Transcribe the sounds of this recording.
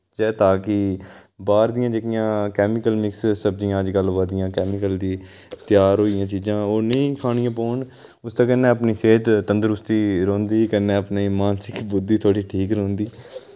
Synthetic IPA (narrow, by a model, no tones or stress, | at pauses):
d͡ʒɛːt̪aːkɪbaːɾd̪ɪjãːd͡ʒeːkɪjãːkɛːmɪkəlmɪkssəb̚d͡ʒɪjãːəd͡ʒɡəlːobaːɾd̪ɪjãːkɛːmɪkəld̪iːt̪ɪjaːɾɦoːijãːt͡ʃiːd͡ʒãːoːnəĩːkʰaːɽɪjãːp̬oːɳ | ʊst̪ãːkənːeːəpniːseːʈt̪ənd̪əɾʊst̪iːɾõːnd̪iːkənːeːəpneːmaːnsɪkbʊd̪ːiːt̪ʰoːɽiːʈʰiːkɾõːnd̪iː